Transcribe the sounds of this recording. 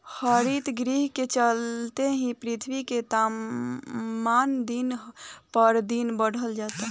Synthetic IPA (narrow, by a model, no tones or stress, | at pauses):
həɾit̪ɡɾiɦket͡ʃəlt̪eɦĩpɾit̪ʰwiket̪a | mand̪inpəɾd̪inbəɽ̤ʱəld͡ʒat̪a